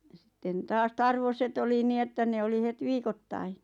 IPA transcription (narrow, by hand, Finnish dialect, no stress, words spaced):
jɑ sĭtːen tɑːs tɑrʋoset oli niː etːæ ne oli het ʋiːkotːɑi